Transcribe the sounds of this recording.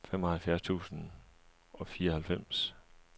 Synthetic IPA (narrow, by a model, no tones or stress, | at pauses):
fem̰ɒ̽hælfjæɐst͡sʰṵːsn̩ | ɒ̽fiːɐɒhælfem̰s